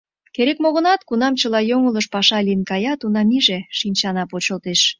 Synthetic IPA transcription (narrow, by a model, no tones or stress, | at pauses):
keɾekmoɣə̆nɑt̪kunɑmt͡ɕəlɑjoŋələʃpɑʃɑliənkɑjɑt̪unɑmiʒeʃinʲt͡ɕɑnɑpot͡ɕəlt̪eʃ